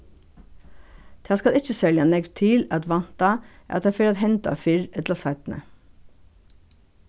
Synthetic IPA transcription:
t̪ʰeɑskɑlɪçəsœljɑnɛɡʋt̪ʰɪlɑt̪ʋɑnt̪ɑʔæ̰ːɑt̪hɑːfɪɾɑt̪hɛnt̪ɑ̰fɪɹɛt̪lɑsɑɪt̪n̩ə̰

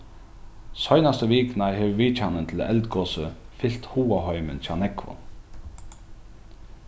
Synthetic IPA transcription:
sɔjnast̪əʋiːknaɦɛʋʋiːt͡ʃanənt̪ʰɪlɛlt̪ɡɔːsəfɪl̥t̪huːaɦɔʏmənçʰanɛkvʊ̰n

